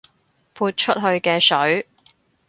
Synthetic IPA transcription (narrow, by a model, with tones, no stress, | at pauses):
pʰuː˧t̚t͡ʃʰɵ˥t̚ɦɵ˧ɥkɛː˧sɵ˨˥ɥ